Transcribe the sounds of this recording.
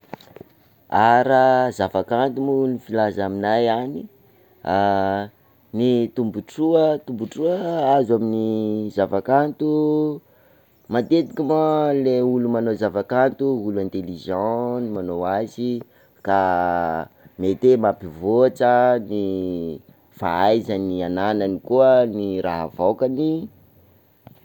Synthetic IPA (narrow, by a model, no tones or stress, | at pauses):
aɾazavakant̪umulnifilazaminajani | a | nit̪umbuʈ͡ʂuət̪umbuʈ͡ʂuəazaminizavakant̪u | mad̪ed̪ikʲimaleulumanozavakant̪uuluɛ̃nt̪eliʒɑ̃nimanoazi | ka | met̪emapivoaʈ͡ʂəni | fa̰ajzanianananikuəniɾa̰ɦa̰vawkani